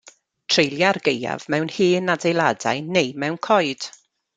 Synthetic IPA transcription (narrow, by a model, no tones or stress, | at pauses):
tʰrejlˠjarɡeja̰vmɛwnhɨːnadejlˠada̰jnejmɛwnkʰɔɨd̥